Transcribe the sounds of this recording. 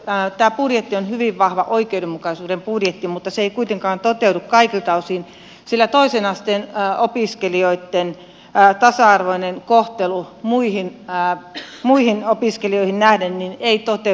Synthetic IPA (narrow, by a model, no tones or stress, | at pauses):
t̪æːpurjet̪ːionhyʋiʋʋɑhʋɑʔoikeudemmukɑsuːdempurjet̪ːimut̪ːɑseeikuit̪eŋkɑːnt̪ot̪eudukkɑikilt̪ɑusin | silːæt̪oisenɑst̪enopiskelioit̪ːen | t̪ɑsɑɑrʋoinenkoht̪elumuihinː | muihinopiskelioihinnæhdennineit̪ot̪e